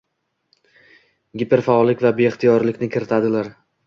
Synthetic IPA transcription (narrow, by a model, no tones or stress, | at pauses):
ɡʲipeɾfaɒlːɪkʲvabe̞ɪχt̪ʰijɒɾlɪkʲnɪkʲʰɪɾɪt̪ʰad̪ɪlaɾ